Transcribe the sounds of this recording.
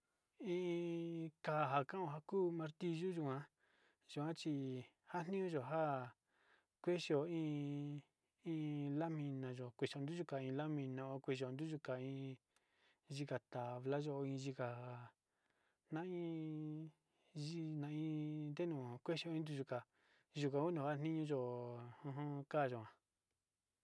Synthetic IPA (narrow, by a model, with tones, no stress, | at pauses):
ĩ˦˧ka˧a˨ɦa˨kã˦õ˧ɦa˦kuː˦mã˧ɾt̪i˧ʒu˦ʒu˧kã˦ | ʒ̥u˧˨ã˦t͡ʃi˧ | ha˦n̥nĩ˦ũ˦ʒo˨ɦa˦ | kʷe˦ʃo˨ĩː˦ | ĩ˧la˦mĩ˧nã˨ʒo˨kʷe˨ʃo˨nd̪u˦ʒu˧ka˨ĩ˧la˦mĩ˧nã˧o˧kʷe˧˨ʃo˨nd̪u˦ʒu˧ka˨ĩː˧ | ʒi˧ka˨t̪a˨βla˦ʒo˧ĩ˧ʒi˧ka˨ | nã˦ĩ˦ | ʒi˦nã˧ĩ˧˦nd̪e˦nũ˨˧kʷe˦ʃi˧o˧ĩ˧˦nd̪u˧ʒu˧ka˨ | ʒu˧kã˨˧ku˦d̪ũ˨a˦n̥ĩ˦ɲũ˧ʒo˧hũ˧ɦũ˦ka˦˨ʒo˨ã˨˧